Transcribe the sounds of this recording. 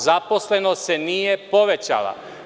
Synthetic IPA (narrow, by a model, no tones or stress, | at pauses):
zaposlenosenijepo̞ʋet͡ɕa̰lˠa̰